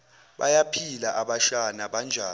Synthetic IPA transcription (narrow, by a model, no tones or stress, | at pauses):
ɓajapʰilaʔaɓaʃanaɓand͡ʒʱaː